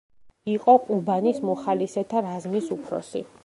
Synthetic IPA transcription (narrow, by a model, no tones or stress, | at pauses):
iqʼɔqʼubanismɔχalisɛt̪ʰaɾazmisupʰɾɔ̰sḭ